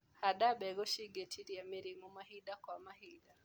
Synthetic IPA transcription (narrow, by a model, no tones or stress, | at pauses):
haɗaɓɛɡɔʃiɡɛtʰiɾiamiɾimumaɦiɗakwamahiɗa